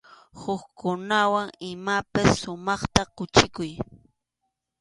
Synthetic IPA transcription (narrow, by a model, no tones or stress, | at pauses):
hʊkkʊnawaŋɪmapasːʊmɑχt̪aqʊt͡ʃɪkʊj